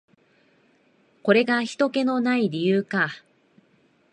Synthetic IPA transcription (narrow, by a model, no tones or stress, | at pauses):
ko̞ɾe̞ɡaçi̥t̪o̞ke̞no̞naiɾʲijɯːka